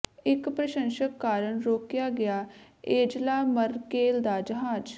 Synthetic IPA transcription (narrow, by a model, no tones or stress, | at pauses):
ɪkpɾəʃə̃nʃəkːaːɾəɳɾoːkjaːɡɪjaː | eːd͡ʒlaːməɾkeːld̪aːd͡ʒəɦaːd͡ʒ